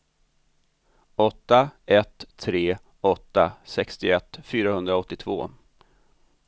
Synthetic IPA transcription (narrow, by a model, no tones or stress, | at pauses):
ɔt̪ːaɛt̪ʰːɾeː | ɔt̪ːasɛkst̪ɪɛt̪ːfyːɾahɵnd̪ɾaɔt̪ːɪt̪ʰvo̰ː